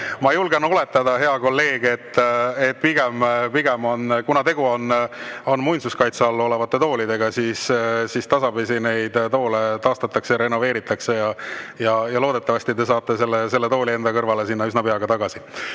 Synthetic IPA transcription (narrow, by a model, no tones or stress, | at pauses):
mɑjulɡenole̞t̪ːˑɑd̪̥ɑɦe̞ɑko̞lːe̞ːɡ̥e̞t̪ːet̪̚ːpiɡ̥empiɡ̥emo̞nkunɑt̪e̞ɡ̥uono̞nːmujnsuskɑjt̪seɑlːuo̞levɑt̪ːe̞t̪o̞ːlid̪e̞ɡ̥ɑsissist̪ɑsɑbisine̞jd̪t̪o̞ːlet̪ɑːst̪ɑt̪ːˑɑksejɑɾe̞no̞ve̞ːɾit̪ːˑɑkse̞jɑjɑjɑlo̞ːd̪e̞t̪ːˑɑvɑsʲt̪it̪d̪e̞s̬ɑːt̪ːe̞se̞lːese̞lːe̞t̪o̞ːlie̞nd̪̥ɑkɤrvɑle̞sinːɑysnɑpeɑɡ̥ɑt̪ɑɡ̥ɑsi